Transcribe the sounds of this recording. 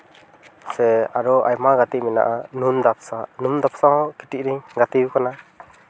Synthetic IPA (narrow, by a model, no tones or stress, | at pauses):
sɛaɾɔʔajmaɡat̪iʔmɛna̰ʔanund̪ap̚ʰsanumd̪apʰsahɔ̃ʔkiʈiʔ̚ɾiɲɡat̪iukana